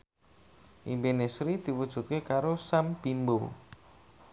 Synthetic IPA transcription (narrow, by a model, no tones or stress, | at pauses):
ʔḭmbenesɾid̪̥i̤wud̥ʒ̥ṳt̪̚kekaɾosamb̥imbo